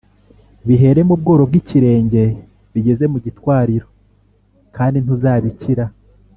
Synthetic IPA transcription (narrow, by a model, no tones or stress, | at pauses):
βiɦe̞ɾe̞mub̚ɡo̞ːɾo̞b̚ɡiciɾe̞ːɲɟe̞ | βiɟe̞ze̞muɟitwaːɾiɾo̞ | kaːndin̥huzaːβiciɾa